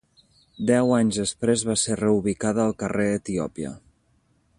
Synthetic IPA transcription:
d̪ɛwaɲzəspɾezβaserəuβikaðəːlˠkəreət̪iɔ̰piə̰

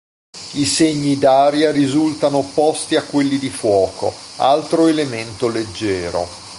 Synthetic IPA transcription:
iseɲːid̪aːɾjaɾizult̪anopɔst̪iakːwelːid̪ifwɔːko̰alt̪ɾoelement̪oled͡ʒːɛːɾo̰

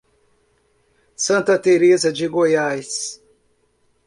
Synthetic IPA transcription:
sɐ̃nt̪ɐt̪eɾezɐd͡ʒɪɡojajs

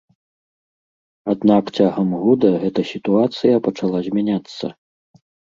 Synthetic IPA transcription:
ad̪nakt͡sʲaɣɐmɣud̪ɐɣɛt̪ɐsʲit̪uat̪sɨjɐpɐt͡ʂalˠazʲmʲanʲat̪sːɐ̰

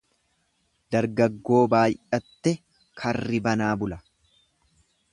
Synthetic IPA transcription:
d̪ɐɾɡɐɡːo̞ːbaːjɐt̪ːɛ | kʰɐrːɪbɐnaːbʊlɐ

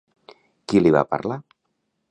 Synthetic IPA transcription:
kiliβa̰pa̰ɾla

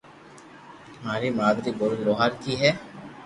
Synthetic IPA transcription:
maːɾiːmaːd̪d̪iːboɾɡ̪ɾoːɦaːɾkiːɦɛː

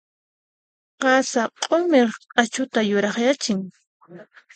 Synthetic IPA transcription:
qɑsaqʼomeɾʼat͡ʃʊt̪ajʊɾɑχjat͡ʃɪŋ

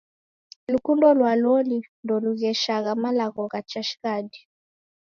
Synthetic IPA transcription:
lukundɔlwalɔlindɔluɣɛʃaɣamalaɣɔɣat͡ʃaʃi̥ɣadi

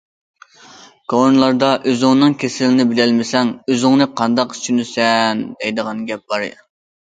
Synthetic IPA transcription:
ɡ̥onlˠɑɾd̪ɑʔøzʊŋnɨŋkʲʰesɪlɪnɪbɪlɛlmɪsɛŋøzɪŋnɨqʰɑnd̪ɑqy̥t͡ʃʰynɪsɛnd̪ɛjd̪əʁɑnɡʲɛp̚b̥ɑɾɨ̰

